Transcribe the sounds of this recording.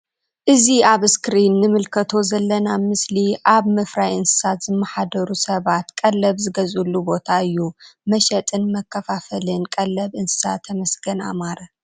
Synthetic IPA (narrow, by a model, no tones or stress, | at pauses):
ʔɨziaβskɾinːɨmɨlkʰɐt̪ʰo̞zɐlːɐnamɨsliʔaβmɐfɾajɨnsɨ̥sat̪zɨmːɐħad̪ɐɾusɐβat̪kʼɐlːɐβzɨɡɐzulːubo̞t̪ʰaɨjːumɐʃɐt̪ʼɨnmɐkʰːɐfafɐlɨnkʼɐlːɐβʔɨnsɨ̥sat̪ʰːɐmɐsɡɐna̰maɾɐ